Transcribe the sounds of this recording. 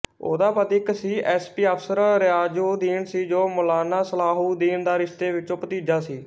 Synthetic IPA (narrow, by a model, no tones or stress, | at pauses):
o̰ːd̪aːpət̪ɪksiːʔɛːspiːəpʰsəɾɾɪaːd͡ʒuːd̪iːnsiːd͡ʒoːmʊlaːnaːsəlaːɦuːd̪iːnd̪aːɾɪʃt̪eːʋɪt͡ʃõːpət̪iːd͡ʒaːsiː